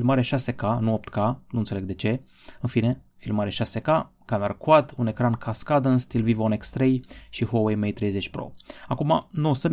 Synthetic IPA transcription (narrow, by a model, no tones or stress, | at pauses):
filmaɾeʃase̞kanuop̚t̪kanunt̪se̞leɡd̪e̞t͡ʃe̞ | ɨnfine̞ | filmaɾeʃaseka | kameɾakwad̪unekɾankʰaskad̪ənst̪ilvivonekst̪ɾejʃihowejmejt̪ɾejzet͡ʃʲpɾo̰akumanosəmʲ